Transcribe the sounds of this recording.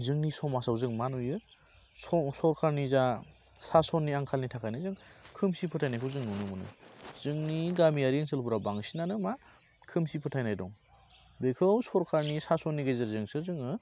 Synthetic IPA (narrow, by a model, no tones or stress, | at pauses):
zɯŋnisɔmasawzɯŋmanujɯ | ɔsɔɾkʰaɾniza | sasɔnːiaŋkʰalnitʰakʰajnajzɯŋkʰɯmsipʰɯtʰajnajkʰɯwzɯŋnunɯmɯnɯ̰zɯŋniɡamiaɾinsʰɯlpuɾabaŋsinanɯma | kʰɯmsipʰɯtʰajnajdɔŋ | bekʰɯwsɔɾkʰaɾnisasɔnːiɡezeɾzɯŋsɯzɯŋɯ